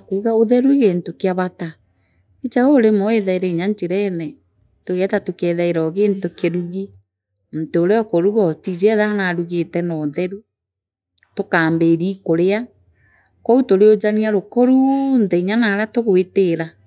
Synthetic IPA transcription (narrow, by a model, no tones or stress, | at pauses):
akuɣaoðɛɾuiɣeːntokeaβata | it͡ʃaoɾemɔeðaiɾɛiɲaɲt͡ʃeɾɛnɛ | toɣɛtatokɛðaeɾɔɣeːntokeɾuɣi | m̩toːɾeɔkɔɾuɣɔtizɛðaanaɾuɣetɛnɔðɛɾu | tokaːmbeɾikoɾea | kɔutoɾeod͡ʒaniaɾokɔɾunðɛiɲanaɾatoɣoeteɾa